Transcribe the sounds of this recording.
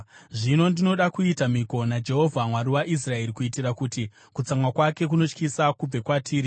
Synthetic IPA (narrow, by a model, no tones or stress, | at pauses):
ʐino̞ndino̞ɗakuitamiko̞nad͡ʒe̞ɦo̞vʱamwaɾiwaʔis̬rae̞ɾikuitirakuti | kut͡samwakwake̞k̬uno̞t͡ʃkisakub͡ve̞kwatʰiːɾi